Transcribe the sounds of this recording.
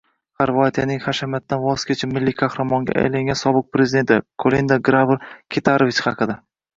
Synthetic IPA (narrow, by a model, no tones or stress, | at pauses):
χaɾvat̪ʰijanɪŋχaʃamjat̪̚ːanvɒskʲet͡ʃʰamɪlːikʰahɾamɒŋɡʲa̰a̰jlaŋɡʲansɒbɨq̚pɾe̞zɪd̪e̞nt̪ɪkʰolind̪aɡɾavɨɾkʲʰet̪ʰaɾovit͡ʃχɑqɨd̪a